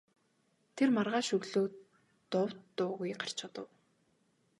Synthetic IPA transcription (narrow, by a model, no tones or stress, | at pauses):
t̪ʰermarʁaːʃɵɣɮoː | t̪ʊwt̪ːʊːɣujɢar̥t͡ɕʊt̪ə̆w